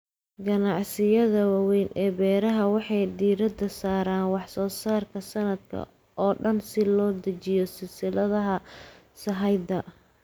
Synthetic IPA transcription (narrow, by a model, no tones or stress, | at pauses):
ɡɐnɑʕsɪjɐðɐwɑwɛjnʔɛːbɛːɾɐɦɐwɑħɑjd̪iːɾɐd̪ɐsaːɾaːnwɑħsɔːsaːrkʰɐsɐnɐd̪̚kʰɐ̰ | ʔɔːɖɐnsɪlɔːd̪ɐt͡ʃɪjɔsɪlsɪlɐðɐɦɐ | sɐɦɐjd̪ɐ